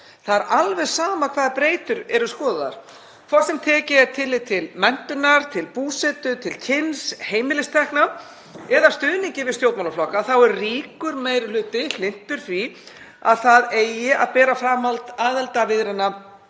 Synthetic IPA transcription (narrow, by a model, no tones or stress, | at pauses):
θaðɾʔalvɛɣsaːmakʰvaːðɾpɾeːjt̪ʏɾɛɾʏskɔːðʏða̰ɾ̥ | kʰvɔr̥sɛmt̪ʰɛːcɪɛt̪ʰɪlːɪt̪ʰɪlmɛn̥t̪ʏnaɾ̥t̪ʰɪlpuːsɛt̪ʏt̪ʰɪlcʰɪnsheːjmɪlɪst̪ʰɛhkna | ɛðast̪ʏːðniŋcɪvɪðst̪jowt̪mawlaflɔhkaθawɛɾriːkʏɾmeːjɾɪlʏːt̪ɪl̥ɪn̥t̪ʏɾ̥fɾi | a̰ðθaðeːjɪʔaðpɛːɾafɾaːmalt̪aːðɛlt̪avɪðɾɪnːa